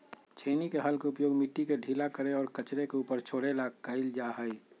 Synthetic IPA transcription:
t͡ʃʰeːnikeɦəlkeʊpjoːɡmiʈːikeɖʱiːlakəɾeɔːɾkət͡ʃɾekeuːpəɾt͡ʃʰoːɽelakəɪld͡ʒaɦəi

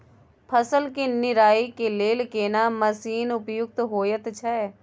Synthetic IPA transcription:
pʰəsəlkenɪɾaːikeleːlkeːnaməsiːnʊpjʊk̚t̪ɦoːjət̪t͡ʃʰɛː

